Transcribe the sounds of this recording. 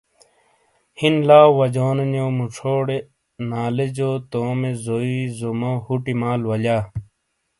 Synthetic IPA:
hinlaːwɐd͡ʑoːnɐnoːmuʈ͡ʂʰoːɽe | naːled͡ʑoːt̪oːmezoizomohuʈimaːlwɐlaː

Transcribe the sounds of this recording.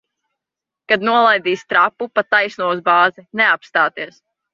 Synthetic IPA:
kad̪nuɔlˠajd̪iːst̪ɾapːupat̪ːajsnuɔsbaːzineapst̪aːt̪iɛs

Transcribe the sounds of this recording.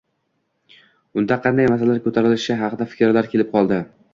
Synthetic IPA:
ʊnd̪aqʰɑnd̪ajmasalalaɾkʲʰɵt̪ʰaɾɪlɪʃɪɦɑqʰɨd̪afɪ̥kʲɾlaɾkʲʰelɪp̚qʰɒlˠd̪ɪ

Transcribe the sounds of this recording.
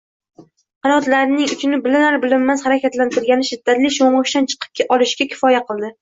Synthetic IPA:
qɑnɒt̪laɾɪnɪŋʊt͡ʃʰɪnɪbɪlɪnaɾbɪlɪmːaz̥haɾakʲat̪lant̪ʰɪɾɪlɡʲanɪʃɪd̪ːat̪lɪʃoɴʁʊʃt̪ant͡ʃʰɨ̥qʰɨ̥p̚kʰʲaʔɒlˠɪʃkʲakʲʰɪ̥fɒjaqʰɨlˠd̪ɪ

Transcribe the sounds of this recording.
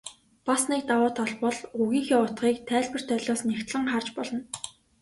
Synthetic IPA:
pasniːk̚t̪awʊːt̪ʰɔɮpɔɮuɣiːŋxiːʊt̪χiːkt̪ʰæːɮpɘ̆r̥t̪ʰœɮʲɔːsnekt̪ɮə̆ŋχart͡ɕpɔɮɞ̆n

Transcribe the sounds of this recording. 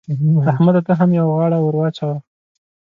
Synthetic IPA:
ahmad̪at̪aɦamjawɣɑɽawʊɾwɑt͡ʃawa

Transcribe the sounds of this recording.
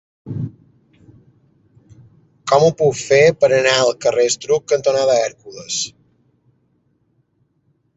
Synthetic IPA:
kɔmupukfepəɾənaəlˠkərest̪ɾukːənt̪onaðəɛɾkuləs

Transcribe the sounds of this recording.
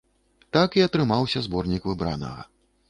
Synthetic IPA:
t̪akiɐt̪ɾɨmawsʲɐzbɔrnʲikvɨbɾa̰nɐ̰ɣɐ̰

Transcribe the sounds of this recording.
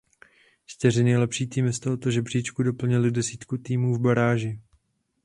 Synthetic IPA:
t͡ʃt̪ɪrɪnɛjlɛpʃiːt̪iːmɪst̪olot̪oʒɛbr̝iːt͡ʃkudo̞pl̩ɲɪlɪdɛsiːt̪kut̪iːmuːvbaɾaːʒɪ

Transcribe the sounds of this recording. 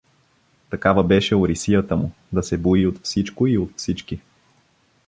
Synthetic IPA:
t̪ɐkavəbɛʃɛoɾisijət̪əmʊ | d̪ɐsɛboiot̪fsit͡ʃkoiot̪fsit͡ʃki

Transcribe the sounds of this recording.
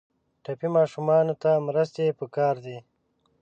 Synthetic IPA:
ʈapimɑːʃumɑːnot̪amɾəst̪epəkɑːɾd̪i

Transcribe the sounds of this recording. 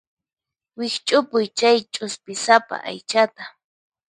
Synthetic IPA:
wɪkt͡ʃʼʊpʊjt͡ʃajt͡ʃʼʊspɪsapa̰ʔa̰jt͡ʃat̪a

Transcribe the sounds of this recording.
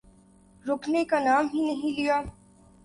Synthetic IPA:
ɾʊːkʰnekanaːmɦinɐɦĩlijaː

